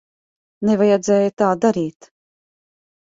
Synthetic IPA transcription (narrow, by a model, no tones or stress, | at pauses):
nevajɛd̪zɛːjat̪aːd̪aɾiːt̪